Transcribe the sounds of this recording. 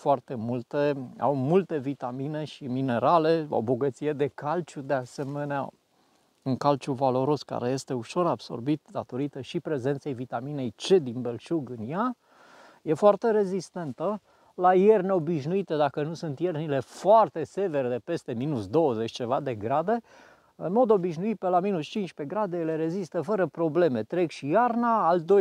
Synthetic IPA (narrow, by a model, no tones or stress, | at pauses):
foart̪e̞mult̪ea̰wmult̪e̞vit̪amine̞ʃimine̞ɾale̞a̰wboɡət̪sije̞d̪e̞kalt͡ʃud̪e̞ase̞me̞nea̰ | uŋkalt͡ʃuvalo̞ɾo̞ska̰ɾe̞je̞st̪e̞uʃo̞ɾabso̞̰rbit̪d̪at̪o̞ɾit̪əʃipɾe̞zent̪sejvit̪amine̞jt͡ʃe̞d̪inbe̞lʃuɡɨnja | je̞foart̪e̞ɾe̞zist̪e̞nt̪ə | laje̞rneo̞biʃnuit̪ed̪akənusunt̪jernile̞foart̪e̞se̞ve̞ɾd̪epe̞st̪e̞minusd̪o̞wəze̞t͡ʃʲt͡ʃe̞vad̪e̞ɡɾad̪e̞ | ɨnmo̞d̪o̞biʃnuit̪̚pelaminust͡ʃint͡ʃʲpe̞ɡɾad̪e̞jle̞ɾe̞zist̪əfəɾəpɾo̞ble̞me̞t̪ɾekʃijarnaːld̪o